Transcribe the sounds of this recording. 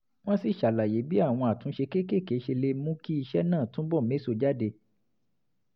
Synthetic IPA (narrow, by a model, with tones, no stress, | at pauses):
w̃ɔ̃˦si˦˨ʃa˨la˨je˨˦bi˦a˦˨w̃ɔ̃˧a˨tũ˨˦ʃe˧ke˦˨ke˦˨ke˨˦ʃe˧le˧mũ˦ki˦i˧ʃɛ˦nãː˦˨tũ˦bɔ˦˨me˨˦so˧˨d͡ʒa˦de˧